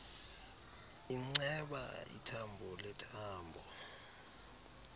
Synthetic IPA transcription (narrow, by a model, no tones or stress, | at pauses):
iŋ͡ǀɛɓa̰ḭtʰambʱɔlɛtʰaːmbʱɔ